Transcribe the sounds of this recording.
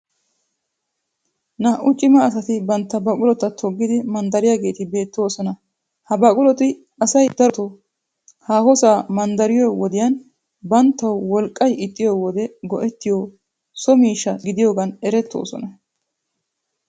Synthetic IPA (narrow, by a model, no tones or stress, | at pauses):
nɐʔʊt͡ʃʼɪmɐːsɐt̪ɪbɐnt̪ːɐbɐkʼʊlɔt̪ːɐt̪ʰɔɡːɪd̪ɪmɐnd̪ɐɾɪjaːɡe̞ːt̪ɪbe̞ːt̪ːo̞ːsɔnɐ | hɐbɐkʼʊlɔt̪ɪ | ʔɐsɐjd̪ɐɾɔt̪ɔ | haːhɔsaːmɐnd̪ɐɾɪjɔwɔd̪ɪjɐn | bɐnt̪ːɐwwɔlkʼːɐjɪt̪ʼːɪjɔwɔd̪ɛɡɔʔɛt̪ːɪjɔ | sɔmiːʃːɐɡɪd̪ɪjoːɡɐnɛɾɛt̪ːo̞̰ːsɔ̰nɐ